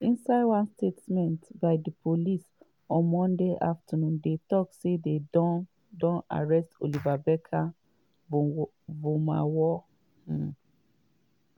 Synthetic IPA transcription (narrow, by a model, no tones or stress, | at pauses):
ĩnsaɪdwãnstetmɛ̃ntbaɪdipʰolis | ɔ̃nmɔ̃ndeʔaftɔnũndetɔksedeɔ | dɔ̃na̰ɹɛsto̰livabɛkʰa | voma̰wɔ̃